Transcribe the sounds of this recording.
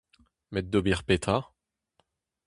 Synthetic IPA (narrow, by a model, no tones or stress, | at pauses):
mɛd̪̚d̪obiʁpet̪ʰa